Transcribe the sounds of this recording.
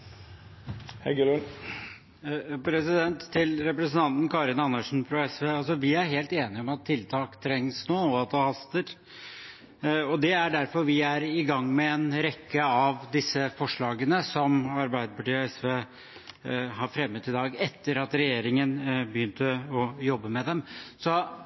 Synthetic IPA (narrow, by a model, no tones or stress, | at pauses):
hɛɡəlʉn | pʰɾɛsɪd̪ɛnt̪ʰːɪlɾɛpɾəsənt̪ʰɑnt̪n̩kʰɑɾɪnɑnːəʂn̩fɾɔɛsʋeːɑls̬ɔʋɪæɾɦeːlt̪eːnɪɔmɑt̪ʰːɪlt̪ʰɑːkt̪ʰɾɛŋːsnoːɔɑt̪̚d̪ɑhɑst̪əɾ | ɔd̪ɛæɖæɾfɔɾʋɪæɾɪɡɑŋːmɛːnɾɛkːəɑʋd̪ɪsːəfɔʂɭɑːɡənəsɔmɑɾbæɪd̪əpɑʈiːɛsʋeː | ɦɑɾfɾɛmːət̪ɪd̪ɑːɡɛt̪ːəɾɑt̪ɾɛjeːɾɪŋənbəjʏnt̪əɔjɔbːəmɛd̪ɛmsɔ